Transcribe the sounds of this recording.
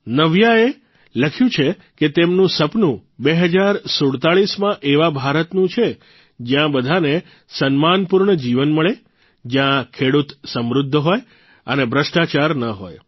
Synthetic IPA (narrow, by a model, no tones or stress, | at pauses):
nəʋjae | ləkʰjũt͡ʃʰe | ket̪emnũsəpnũbeɦəd͡ʒaɾsoɽt̪aɭismãʔeʋabʱaɾət̪nũt͡ʃʰe | d͡ʒjãbəd̪ʱane | sənmanpuɾɳəd͡ʒiʋənməɭe | d͡ʒjãkʰeɽut̪səmɾud̪ʱːəɦoj | ənebɾəʃʈat͡ʃaɾnəɦo̰j